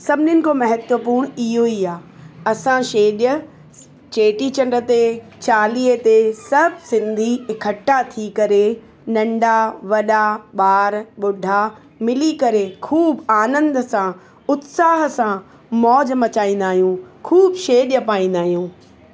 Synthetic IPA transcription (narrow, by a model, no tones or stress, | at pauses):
sɐbʱɪnɪnɪ̆komɐɦət̪wəpuɾɽ̃ɪɦoiaːɐsãʃeːɗjə | t͡ɕeːʈit͡ɕɐ̃ɳɖət̪e | t͡ɕaːliːət̪esɐbʱsɪ̃nd̪ʱiɪkʰəʈːat̪ʰikɐɾe | nɐ̃ɳɖaʋɐɗaɓaːɾɓʊɖʱa | mɪlikɐɾekʰuːbaːnə̃nd̪əsã | ʊt̪saːɦ̆sã | mɔːd͡ʑmɐt͡ɕaːĩːn̆d̪aːɦijũkʰuːbʃeːɗjəpaːĩːnd̪aːɦijũː